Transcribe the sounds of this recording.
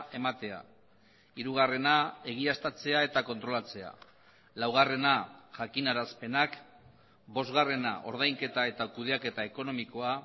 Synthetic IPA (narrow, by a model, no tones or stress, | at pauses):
e̞mat̪e̞a̰ | iɾuɣ̞are̞nae̞ɣ̞iast̪at͡se̞ae̞t̪ako̞nt̪ɾo̞lat͡se̞a̰ | lawɣ̞are̞naʝakinaɾaspe̞nak | bo̞zɣare̞na̰ʔo̞̰ɾð̞ajŋke̞t̪ae̞t̪akuð̞e̞ake̞t̪ae̞ko̞no̞miko̞a